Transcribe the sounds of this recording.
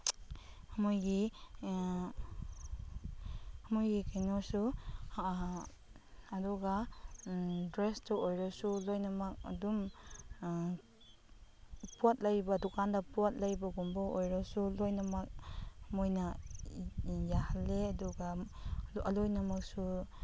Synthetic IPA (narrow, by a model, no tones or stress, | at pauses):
hɐmojɡi | ɐmojɡikʰajnɔsu | dɔɡa | dɾestɔojɾɔsulojnɐmɐk̚ɐ̰dum | puat̚lajbɐdukʰandɐpwat̚lajbɐɡumbɔojɾɔsulojnɐmɐk̚mojnɐ | jahalːeɐdɔɡa | ɐlojnɐmɐk̚su